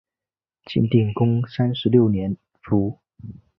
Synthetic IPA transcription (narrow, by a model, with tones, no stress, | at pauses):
t͡ɕʰḭ˧˥nt̪i˥˩ŋkʊ˥ŋsa˥nʂɻ̩˧˥ljo˥˩ʊnjɛ˧˥n | fu˨˧˥